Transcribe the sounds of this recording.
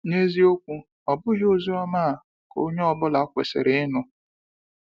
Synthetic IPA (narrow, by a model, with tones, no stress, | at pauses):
ne˦zi˦o˦kʷu˦ | ɔ˨bʊ˦ɦɪ˦o˦zi˦ɔ˦maː˦a˨ | ko̰˦ɲe˦ɔ˦˨bʊ˦la˨˦kʷḛ˨sɪ̰˨ɾɪ˨ɪ˦nʊ˦